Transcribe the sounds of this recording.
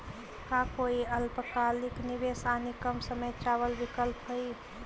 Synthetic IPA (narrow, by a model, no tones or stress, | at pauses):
kakoːiəlpkaːlɪknɪʋeːsaːnikəmsəməjt͡ʃaːwəlʋɪkəlpɦoi